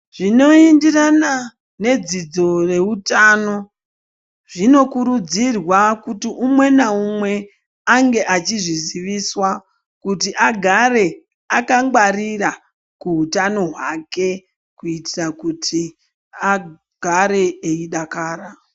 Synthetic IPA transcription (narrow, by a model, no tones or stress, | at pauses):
ʐ̥ino̞indirana | ne̞d͡zid͡zo̞re̞utano̞ | ʐ̥ino̞kuɾud͡zirwakutiʔumwe̞naumwe̞ | aŋɡe̞ʔat͡ʃiʐiziʋiswa | kutiʔaɡʱaɾe̞ | akaŋɡwarira | kuɦutano̞ɦwake̞ | kuitirakutʰi | a | ɡ̥ʱaɾe̞eiɗakaːra